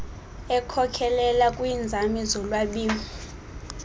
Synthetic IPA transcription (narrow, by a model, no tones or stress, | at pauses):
ɛkʰɔkʰɛlɛlakʼwind͡zʱamizɔlwaɓiːmi